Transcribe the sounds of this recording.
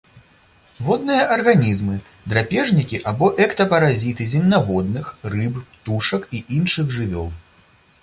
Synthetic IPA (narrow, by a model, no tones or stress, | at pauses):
vɔd̪̚nɨjɐʔɐrɣanʲizmɨ | d̪ɾapʲɛʐnʲikʲiʔabɔʔɛkt̪ɐpɐɾazʲit̪ɨzʲinʲnavɔd̪nɨxrɨppt̪uʂɐkiʔinʂɨɣʐɨvʲɔ̰lˠ